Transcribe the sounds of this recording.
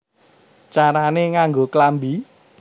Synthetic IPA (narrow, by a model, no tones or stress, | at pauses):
t͡ʃaɾaneŋaŋɡoklambi